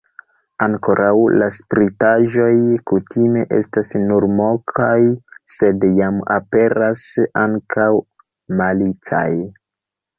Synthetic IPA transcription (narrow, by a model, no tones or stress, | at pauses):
aŋko̞ɾawlaspɾitaʒo̞jkutʰime̞ʔe̞̰stasnuɾmo̞kʰajse̞djamape̞ɾasaŋkaw | malit͡sa̰j